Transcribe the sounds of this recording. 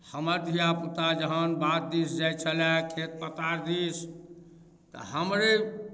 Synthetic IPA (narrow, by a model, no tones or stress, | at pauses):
həməɾd̪ʱijaput̪ad͡ʒəɦənbat̪̚d̪isd͡ʒajt͡ʃʰəlɛkʰet̪̚pət̪aɾd̪is | t̪ɔ̰ɦəmɾe